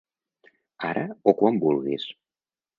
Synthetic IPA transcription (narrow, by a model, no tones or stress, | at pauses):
aɾəokwambulˠɣḭs